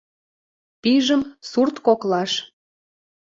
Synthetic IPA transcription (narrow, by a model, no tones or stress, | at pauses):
piʒəmsurt̪koklɑʃ